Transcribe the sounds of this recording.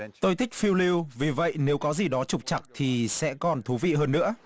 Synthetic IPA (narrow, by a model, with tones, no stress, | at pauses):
t̪o˧jt̪ʰï˦˥k̚fi˧wli˧wvi˨˩və̰˧˨jne˨˦wkɔ˨˦zi˨˩ɗɔ˨˦t͡ɕʊ˨˩k͡p̚t͡ɕa˨˩k̚t̪ʰi˨˩sɛ̰˧˥kɔ˨˩nt̪ʰu˨˦vḭ˧˨ɦəː˧nːɨ̰˧˥ə